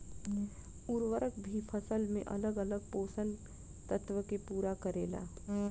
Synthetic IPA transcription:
uɾʋəɾəkbʱipʰəsəlmẽʔɐ̰ləɡələɡ̚poːsən | t̪ət̪ʋəkepuːɾakəɾeːla̰ː

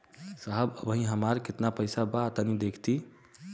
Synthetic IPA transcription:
saɦəbəbəɦĩɦəmaɾket̪napəjsabaːt̪ənid̪ekʰt̪i

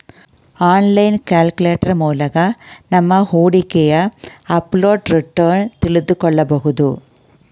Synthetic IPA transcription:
aːnlɐɪnkaːlkɯleːʈːɐɾmuːlɐɣɐnɐmːɐhuːɽɪkːejaɐpːloːɖɾɪʈːɐːnt̪ɪɭɯd̪ɯkːɔɭːɐpɔɣɯðɯ

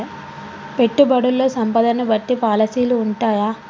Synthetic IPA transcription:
pe̞ʈːubɐɽulːo̞ːsɐmpɐd̪ɐnɐbɐʈːipaːlɐsiːluːɳʈaːjaː

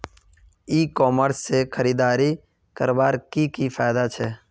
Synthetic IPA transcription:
iːkɔːməɾsːekʰəɾiːd̪aːɾiː | kəɾʋaːɾkiːkifaːjd̪aːt͡ʃʰeː

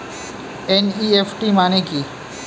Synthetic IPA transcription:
eniːeːfʈiːmaːnẽkiː

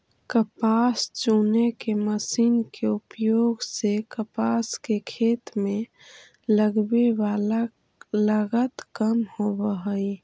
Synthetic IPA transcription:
kəpast͡ʃunekeməsiːnkeupjoɡsekəpaskekʰet̪mẽ | ləɡbeʋala | ləɡət̪kəmhobəɦəi

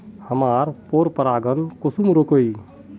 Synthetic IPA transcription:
həmaːɾpoɾpəɾaːɡənkosumɾokoi

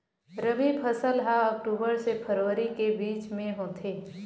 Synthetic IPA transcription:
ɾəʋipʰəsəlɦaɔːk̚ʈuːbəɾsepʰəɾoːəɾikebiːt͡ʃmẽɦoːt̪ʰeː

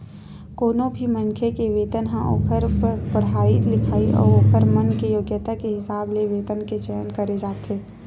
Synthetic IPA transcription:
koːnobʱimə̃nkʰekeʋeːd̪ənɦãʔo̰ːkʰəɾpəɽ̤aːilɪkʰaːiʔɔ̰ːɾoːkəɾmənkejoːɡjət̪akeɦɪsaːbleʋeːd̪ənket͡ʃəjənkəɾed͡ʒaːt̪eː

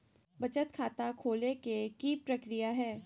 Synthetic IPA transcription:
bɐt͡ʃət̪kʰaːt̪akʰoːlekekipɾɐkɾijaɦɛː

